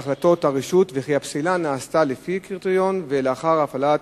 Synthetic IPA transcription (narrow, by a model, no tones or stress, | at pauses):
χlat̪o̞t̪aʁiʃut̪veχiapsilanaːst̪alefikiʁt̪eʁjo̞nveleaχaʁaːfala